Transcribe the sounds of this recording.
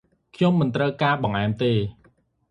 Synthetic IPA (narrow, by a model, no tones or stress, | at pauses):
kʰɲomːɨnt̪rəwkaːɓɑŋʔaɛmt̪eː